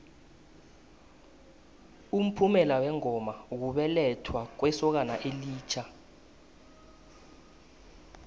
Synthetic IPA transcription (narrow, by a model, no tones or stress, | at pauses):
um̩pʰumɛlawɛŋɔmak̬uɓɛlɛtʰwak̬wɛsɔk̬anaʔeliːt͡ʃʰa